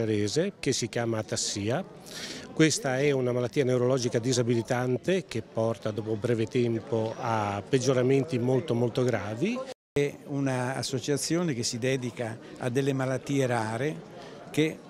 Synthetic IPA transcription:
aɾeːzek̟esːikjaːmat̪asːiːa | kwest̪aɛunamalat̪ːiːaneuɾolɔːd͡ʒikad̪izabilit̪ant̪ek̟epːɔrt̪ad̪ɔːpobɾɛːvet̪ɛmpoapːed͡ʒːoɾament̪imolt̪omolt̪oɡɾaːvi | ɛuna̰ːsːot͡ʃat̪sːjoːnek̟esːid̪ɛːd̪ika | a̰d̪ːelːemalat̪ːiːeɾaːɾe | ke

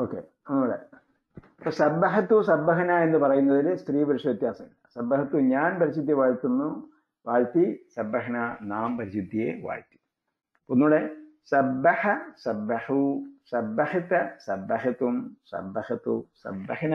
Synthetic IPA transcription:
oːkːḛ | onːuːɽḛ | posɐbːɐɦɐt̪ːusɐbːɐɦɐnaːe̞nːɨpɐrɐjunːɐðilɨst̪riːpɐɾiʂɐʋjɐt̪jaːsɐŋːɐɭsɐbːɐhɐt̪ːuɲaːnpɐɾiɕud̪ʱːieʋaːɻt̪ːunːu | ʋaːɻt̪isɐbːɐɦɐnanaːmpɐɾiɕud̪ʱːijḛʋa̰ːɻt̪ːi̥ | onːuːɽe | sɐbːɐħɐsɐbːɐhusɐbːɐhɐt̪ːɐsɐbːɐɦɐt̪umsɐ̰bːɐhɐt̪ṵsɐ̰bːɐhɐn

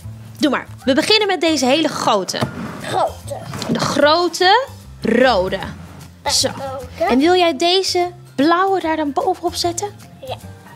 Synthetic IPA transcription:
duma̰ːɹ | ʋəbəχɪnənmɛt̚dejzəɦejləχrowtʰə̰ | dəχrowtə | rowdə | soɛnʋɪlˠjɛjdejzə | b̥lɔwədaːɹdɑnbowvənɔpsɛtən

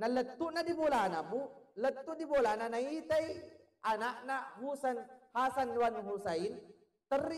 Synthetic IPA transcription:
nalət̪ːuʔnadibolanamulət̪ːuʔdibolananait̪aj | ʔanaʔnaɦusanhasanlwanɦusain | t̪ər

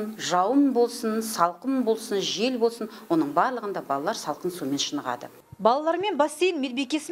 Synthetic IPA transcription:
nʒɑwəmbo̞lˠsənsɑlˠqəmbo̞lˠsənʒe̞lbo̞lˠsənwo̞nəɴbɑɾlˠəʁənd̪ɑbɑlˠɑlˠɑɾsɑlˠqənsume̞nʃənəʁɑ̰d̪ə̰ | bɑlˠɑlˠɑɾme̞nbɑst̪ejɪnmelbe̞kʲe̞sɪ

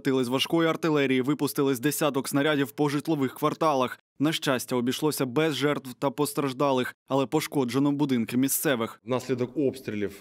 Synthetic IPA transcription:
t̪ɪlˠɪsʲʋɐʃkɔjiɐrt̪ɪlˠɛɾʲijiʋɪpʊst̪ɪlˠɪsʲd̪esʲat̪ɔksnɐɾʲadʲiwpɔʒɪt̪lˠɔʋɪxkʋɐrt̪ɑlˠɐx | nɐʃt͡ʃasʲtʲːɐɔbʲijʃlˠɔsʲɐbɛzʒɛrt̪ʋwt̪ɐpɔst̪ɾɐʒd̪ɑlˠɪxɐlˠɛpɔʃkɔd͡ʒenɔbʊd̪ɪnkɪmʲist̪sɛʋɪxnɐsʲlʲed̪ɔkopst̪ɾʲɪlʲif

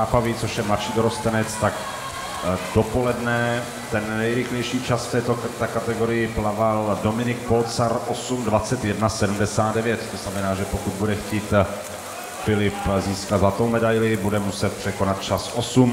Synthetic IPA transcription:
aːpavɪt͡so̞ʃjɛmlaʃiːdoɾost̪ɛnɛt͡st̪ak | do̞po̞lɛdnɛ | t̪ɛnːɛjɾɪxlɛjʃiːt͡ʃasft̪ɛːt̪ot̪akat̪ɛɡo̞ɾɪjɪplavaldo̞mɪnɪk̚po̞lt͡saɾʔo̞sumdvat͡sɛt̪jɛdnasɛdumdɛsaːd̪dɛvjɛt̪t̪oznamɛnaːʒɛpo̞kud̪̚budɛxciːt̪ | fɪlɪpziːskat̪zat̪owmɛdajlɪbudɛmusɛt̪̚pr̝̥ɛkonat̪̚t͡ʃasʔo̞sum

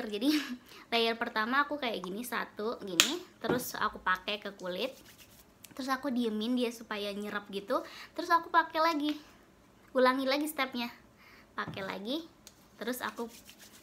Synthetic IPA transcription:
rd͡ʒadilajarpərt̪amaːkukaja̰ʔɡinisa̰t̪uɡinit̪əɾʊsa̰kupakɛkəkulɪt̪̚ː | əɾʊs̬akudiəmɪndiasupajaɲəɾəp̚ɡit̪ut̪əɾʊsakupakɛlaɡi | ulaŋilaɡist̪ɛp̚ɲa | pakɛla̰ɡi | t̪əɾʊsa̰ku

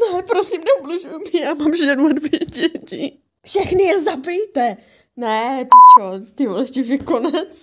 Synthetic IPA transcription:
nɛpɾosimnɛublɪʒujmɪjaːmaːmʒɛnuadvɪɟɛcɪ | fʃɛxnɪjɛzabɪjt̪ɛ | nɛpiʃot̪ɪvolɛscɪvɪkonɛt͡s

